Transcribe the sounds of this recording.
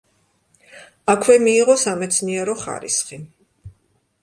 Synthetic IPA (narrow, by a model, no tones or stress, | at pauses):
akʰwɛmiːʁɔsamɛt̪sʰniɛɾɔχa̰ɾḭsχi